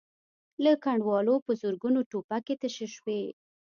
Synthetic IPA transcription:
ləkaɳɖwɑlopəzuɾɡunoʈopaket̪əʃəʃwe

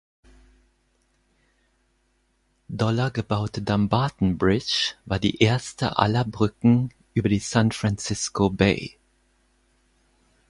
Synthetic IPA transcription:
dɔlɐɡəbaʊtədambaɐtn̩bʁɪt͡ʃv̥aːɐdḭːʔeːɐstʰə̰ʔa̰lɐbʁʏkŋ̩ | ʔyːbɐɾiːsanfʁant͡sɪskobeɪ

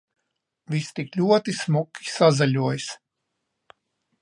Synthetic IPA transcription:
vʲist̪iklʲuɔt̪ismukʲːi̥sazalʲuɔjs

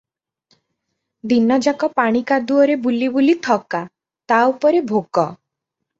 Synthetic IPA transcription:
d̪inɔd͡ʒakɔpaɽ̃ikad̪uɔɾebulibulit̪ʰɔka | t̪aupɔɾebʱokɔ

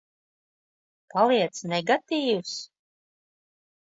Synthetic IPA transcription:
palˠiɛt̪snɛɡat̪iːwus

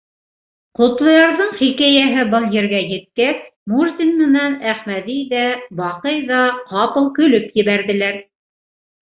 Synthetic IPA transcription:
qŏt̪lˠɤ̆jɑɾðɤɴχikæjæɦɘbɤlˠjɘ̆ɾɡæjɘ̆t̪̚kæsmurzʲinmɘ̆nænæχmæðijðæbɑqɤjðɑqɑpɤlˠkɵ̆lɵpjɘ̆βæɾðɘ̆læɾ

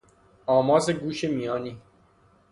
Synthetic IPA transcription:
ɒːmɒːzeɡuːʃemijɒːniː

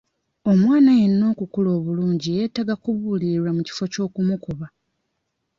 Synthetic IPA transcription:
o̞mwaːnajenːo̞ːkukulo̞ːβuluːɲɟijeːtaɡakuβuliɾwamuci̥fo̞co̞ːkumukuβa

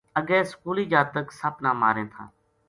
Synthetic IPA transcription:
əɠɛːskuːliːd͡ʒaːt̪əksapnãːma̰ːɾẽːt̪ʰa̰ː

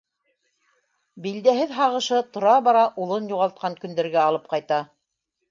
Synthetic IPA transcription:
bild̪æɦɘðɦɑʁɤ̆ʃɤt̪ŏɾɑβɑɾɑʔulˠɤnjuʁɑlˠt̪̚qɑŋkɵ̆nd̪æɾɡæɑlˠɤp̚qɑjt̪ɑ

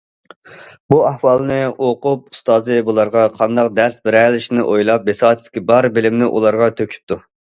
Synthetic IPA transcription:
buɑhwɑlˠnɨoqʊp̚ust̪ɑːzɨbulˠɑɾʁɑqʰɑnd̪ɑq̚d̪ɛɾsbɪɾɛlɪʃnɪʔojlˠɑp̚ːesɑːt̪ʰɪd̪ɪ̥kʲʰibɑɾbɪlɪmnɪʔṵlˠɑɾʁɑt̪ʰøkʲʰy̥p̚t̪ʰu

